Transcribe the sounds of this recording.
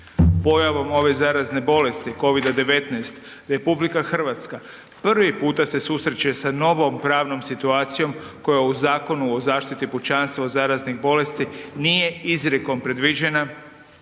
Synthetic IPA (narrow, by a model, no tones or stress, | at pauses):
po̞jaʋo̞mo̞ʋe̞zaːɾazne̞bo̞le̞st̪iko̞ʋid̪ad̪e̞ʋe̞t̪najst̪ | ɾe̞publikaxr̩ʋat̪ska | pr̩ʋipuːt̪ase̞susɾet͡ɕesano̞ʋo̞mpɾaːʋno̞msit̪uaːt̪sijo̞mko̞jauzaːko̞nuozaːʃt̪it̪iput͡ɕanst̪ʋozaːɾazniɣbo̞le̞st̪inije̞izɾeko̞mpɾe̞d̪ʋid͡ʑe̞na